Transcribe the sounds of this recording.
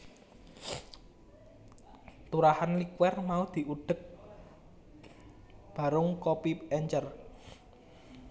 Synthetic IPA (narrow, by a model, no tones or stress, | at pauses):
t̪uɾahanlikwɛrmaud̪̥i̤ʔuɖ̥ə̤k̚ | b̥a̤ɾʊŋkɔpipɛɲt͡ʃər